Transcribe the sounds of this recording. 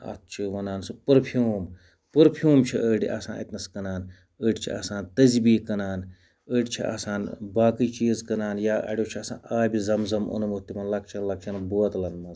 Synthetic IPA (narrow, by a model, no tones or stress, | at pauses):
ɐ̰t̪̚t͡ʃʰiʋɐnaːnsɨpɨɾpʰijuːm | pɨɾpʰjuːmt͡ʃʰiʔəːɖiʔɐ̰sã̰ːḭt̪ʲnɐskɐnaːn | əːɖt͡ʃʰḭʔɐ̰sãːnt̪ɐzbiːkɐnaːn | əɖʲt͡ʃʰḭʔɐ̰saːnbaːkiːt͡ʃiːzkɐnaːnjaːʔɐ̰ɽʲjoːt͡ʃʰiɐsã̰ːaːjbizɐmzɐmṵnmut̪ːimɐnlɐkt͡ʃʰɐnlɐk̚t͡ʃʰɐnbuɐt̪lɐnmɐz